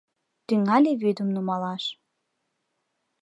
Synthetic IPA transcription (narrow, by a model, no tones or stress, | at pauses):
t̪yŋælʲeβød̪əmnumɑlɑʃ